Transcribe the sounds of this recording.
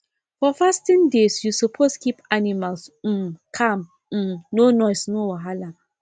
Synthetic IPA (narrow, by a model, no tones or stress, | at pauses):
fɔfastĩndesjusupʰoskipanimals̩kʰam̩ | nonɔɪsnowaɦala